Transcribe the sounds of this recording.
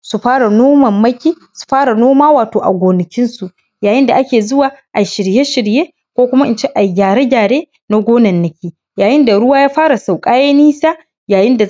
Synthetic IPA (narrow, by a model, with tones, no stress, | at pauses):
su˨ɸaː˦ɽa˨noː˦mɐ˨mːɐ˦kʲiː˦ | su̥˨ɸaː˦ɽa˨noː˦maː˦waː˨toː˨ʔa̰˨ɡʷoː˨nɪ˨kʲɪ˦nsu˨ʔ | jaː˨jɪ˦nda˨ʔa˦kʲeː˨zʊ˦waː˨ʔa˨ʃɪ˨ɾje˦ʃɪ˨ɽjeː˦ | kʷoː˦kʷʊ˦ma˦ʔɪ˦˨nt͡ʃe˦ʔa˨jɡʲaː˨ɽe˦ɡʲaː˨ɽeː˦ | na˦ɡʷoː˦nɐ˨nːɪ˦kʲiː˦ | jaː˨jɪ˦nda˨ɽʊ˦waː˦jaː˦ɸaː˦ɽa˨sa˨wkʼaː˦jɛ˦niː˦saː˦ | jaː˨jɪ˦nda˨